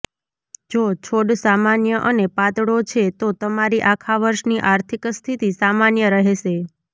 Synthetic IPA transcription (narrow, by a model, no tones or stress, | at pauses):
d͡ʒot͡ʃʰoɖsamanjəʔənepat̪ɽot͡ʃʰet̪ot̪əmaɾiʔakʰaʋəɾʃniʔaɾt̪ʰikst̪ʰit̪isamanjəɾəɦeʃe